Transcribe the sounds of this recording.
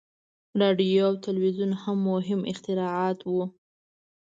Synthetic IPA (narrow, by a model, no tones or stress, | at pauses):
ɾɑɖijoawt̪alwizunhamːʊɦɪmʔɪxt̪ɪɾɑɑt̪wu